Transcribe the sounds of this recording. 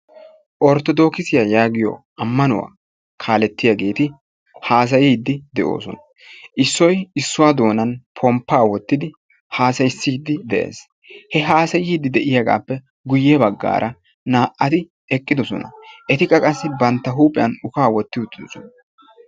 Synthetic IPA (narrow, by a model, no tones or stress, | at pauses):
ʔɔɾt̪ɔd̪o̞ːkɪsɪjajaːɡɪjɔ̰ | ɐmːɐnʊwa̰ː | kʰaːlɛt̪ːɪjaɡe̞ːt̪ɪ | haːs̬ɐjiːd̪ːɪd̪ɛʔo̞̰ːsɔnɐ | ʔɪsːɔjɪsːʊwad̪o̞ːnɐnpʰɔmpːaːwɔt̪ːɪd̪ɪ | haːsɐjsːiːd̪ːɪd̪ɛʔḛːs | hɛɦaːsɐjiːd̪ːɪd̪ɛʔɪjaɡa̰ːpːɛ | ɡʊjːɛbɐɡːa̰ːɾʔɐ | naːʔːɐt̪ɪ | ɛkʼːɪd̪ɔsɔ̰nɐ̰ʔɛt̪ɪkʼːɐkʼɐsːɪbɐnt̪ːɐɦuːpʼɪjɐnʊkaːwɔt̪ːɪʊt̪ːɪd̪ɔsɔnɐ